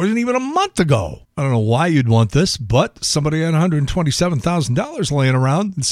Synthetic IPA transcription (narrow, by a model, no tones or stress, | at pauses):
ə˞zn̩tivɨ̃nəmʌ̃nθɨɡo̰ʊɪdõʊ̃nːoʊwaɪjɨd̚wɑ̃nðɪsb̥ʌt̚sʌ̃mbɑɾiɨɾəhʌ̃ndɹədn̩tʰw̥ɛ̃ɾ̃tisɛṽn̩θaʊzn̩dɔlˠə˞zleɪɪ̃ŋə˞ãʊ̃ndn̩s